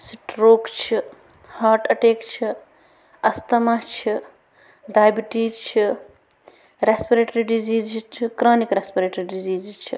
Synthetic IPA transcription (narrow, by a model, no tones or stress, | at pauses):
siʈɾoːkt͡ʃʰi | haːɾʈɐʈeːkt͡ʃʰi | ɐst̪ɐmɐt͡ʃʰi | ɖaːjbiʈit͡ʃʰi | ɾespiɾeːʈɾiɖiziːzt͡ʃʰikɾaːnikɾespiɾeːʈɾiɖiziːzt͡ʃʰḭ